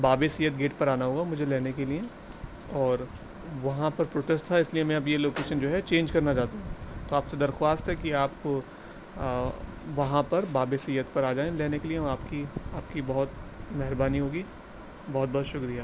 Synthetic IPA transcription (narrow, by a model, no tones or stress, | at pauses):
baːbesijːət̪ɡeːʈpɐɾaːnaɦoːɡamʊd͡ʒʱelɛːnekelie | ɔːɾ | ʋɐɦãpɐɾpɾoːʈesʈt̪ʰaɪsliemɛ̃ɐbjeloːkeːʃənd͡ʒoːɦɛt͡ʃẽːnd͡ʒkɐɾnat͡ʃaːt̪aɦũːt̪oaːpsed̪ɐɾxwaːst̪ɦɛkiaːp̚o | ʋɐɦãpɐɾbaːbesijːət̪̚pɐɾaːd͡ʒaːẽleːnekeliẽaːpkiaːp̚kibɐɦʊt̪mɛɦɾbaːniɦoːɡi | bɔɦʊt̪̚bɔɦːt̪ʃʊkɾijaː